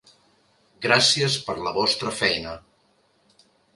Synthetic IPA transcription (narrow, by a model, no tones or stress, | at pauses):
ɡɾasiəspəɾləβɔst̪ɾəfɛjnə